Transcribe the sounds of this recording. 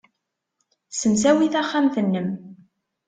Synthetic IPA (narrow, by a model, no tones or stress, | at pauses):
səmsæwiθæχːamθənːəm